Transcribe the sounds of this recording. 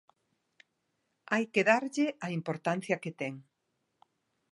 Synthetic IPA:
ajkeðaɾʎeaimpoɾt̪an̟θjɐket̪ɛŋ

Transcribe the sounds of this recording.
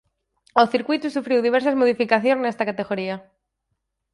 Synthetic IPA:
oθiɾkwit̪usufɾiwðiβ̞eɾs̬azmoð̞ifikaθjonnest̪akat̪e̞ɣoɾia

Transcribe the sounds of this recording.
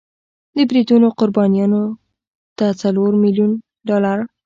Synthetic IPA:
d̪əbɾid̪unoqʊɾbɑnjɑno | d̪̥ət͡saloɾmiljun | ɖɑlaɾ

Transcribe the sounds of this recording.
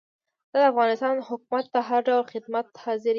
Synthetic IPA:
d̪̥ɑd̪əafɣɑnɪst̪ɑnhʊkumat̪̚pəɦaɾɖawlxɪd̪mat̪hɑzɪɾ

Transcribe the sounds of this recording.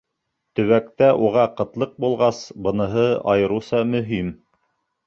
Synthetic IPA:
t̪ɵ̆βækt̪æʔuʁɑqɤ̆t̪lˠɤq̚bulˠʁɑsbɤ̆nɤ̆ɦɤɑjɤ̆ɾusɑmɵ̆ɦim

